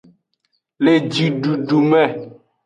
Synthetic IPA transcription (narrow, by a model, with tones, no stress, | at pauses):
le˨d͡ʒi˨ɖu˨ɖu˨mɛ˦˨